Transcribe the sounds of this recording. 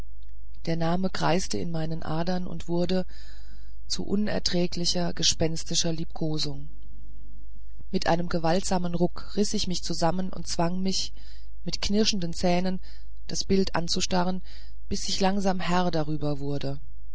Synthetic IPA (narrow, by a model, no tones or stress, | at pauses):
d̥eːɐnaːməɡʁ̥a̰ɪstəɪ̰nmaɪnənʔa̰ːdɐnʊ̰ntv̥ʊɐdə | t͡sṵʔʊnɛ̰ɐtʁ̥ɛːklɪçɐɡəʃpɛnstɪʃɐliːp̚kʰoːzʊŋ | mɪtʔa̰ɪnəmɡəvaltz̥aːmənʁʊkʁɪsɪçmɪçt͡suzamənʔʊ̰ntt͡sv̥aŋmɪç | mɪtknɪɐʃn̩dnt͡sɛːnən | d̥asb̥ɪltʔa̰nt͡suʃtaʁ̞ən | b̥ɪsɪçlaŋzaːmhɛɐdaʁ̞yːbɐvʊɐdə